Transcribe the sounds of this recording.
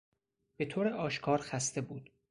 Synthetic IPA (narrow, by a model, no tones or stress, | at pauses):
b̥e̞t̪ʰoːɾeʔɒːʃkʰɒːɾxæst̪ʰe̞buːd̪̥